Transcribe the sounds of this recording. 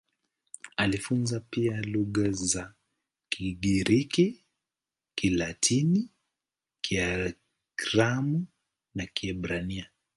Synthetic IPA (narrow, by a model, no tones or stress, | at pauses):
alifunzapialuɣaza | kʰiɠiɾiki | kilatʰini | kʰia | kɾamu | nakiɛbɾania